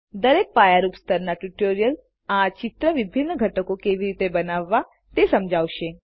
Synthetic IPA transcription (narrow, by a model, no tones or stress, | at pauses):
d̪əɾek̚pajaɾupst̪ʰəɾnaʈuʈoɾijəl | at͡ʃit̪ɾəʋibʱinːəɡʱəʈəkokeʋiɾit̪ebənaʋːa | t̪esəmd͡ʒʱaʋʃe